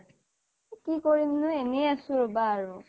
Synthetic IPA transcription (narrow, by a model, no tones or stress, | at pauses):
kikoɹimnʊenejasʊɹɔbaːɹʊ